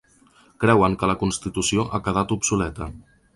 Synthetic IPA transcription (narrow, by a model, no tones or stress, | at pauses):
kɾɛwəŋkələkunst̪it̪usioʔakəð̞at̪upsulɛt̪ə